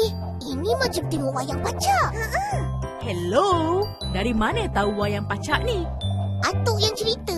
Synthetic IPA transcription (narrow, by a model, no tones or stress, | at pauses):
eh | inimə̃d͡ʒam̚t̪imuʔajaŋpat͡ʃaʔə | hɛlodaɾimanə̃t̪auwajaŋpat͡ʃaʔniʔat̪ʊʔjaŋt͡ʃəɾit̪ə